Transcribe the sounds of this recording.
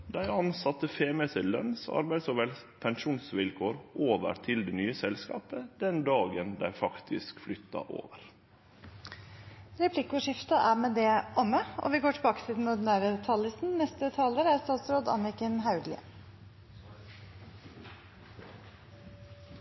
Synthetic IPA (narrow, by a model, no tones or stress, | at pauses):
d̪æɪɑnsɑt̪əfeːmɛsəlœnsɑ̰ɾbæɪd̪sɔʋɛlpʰɛŋʃuːnsʋɪlkʰoːɾʔoːʋə̰ɾt̪ʰɪld̪eːnyːəsɛlskɑ̰ːpəd̪̥ɛnd̪ɑːɡənd̪æ̰ɪfɑkt̪ʰɪ̰skflʏt̪ːɑ̰ʔo̰ːʋəɾ | ɾɛpʰlɪkʊʂɪft̪ɑʔæɾmeːd̪ɛʔɔmːəʔɔ̰ʋɪɡoːʈʰɪlbɑːkə̥siːd̪n̩mʊt̪n̩æːɾət̪ʰɑləsn̩nɛst̪ət̪ʰɑːləɾəæɾst̪ɑːt̪sɾoːd̪ɑ̰nɪkənɦɑʉd̪lɪ̰